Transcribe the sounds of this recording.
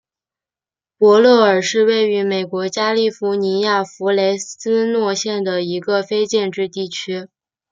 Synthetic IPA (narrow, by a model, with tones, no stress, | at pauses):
pwɔ˧˥lɤ˥˩ə˞˨˩ʂɻ̩˥˧we˥˩ɪy˧˥me˨˩ɪkwɔ˧˥t͡ɕja˥li˥˩fu˧˥ni˧˥ja˥˩fu˧˥le˧˥ɪsɹ̩˥nwɔ˥˧ɕjɛ˥˩nd̪ə˩i˧˥ɡə˧fe˥ɪt͡ɕjɛ˥˧nʈ͡ʂɻ̩˥˧t̪i˥˩t͡ɕʰy˥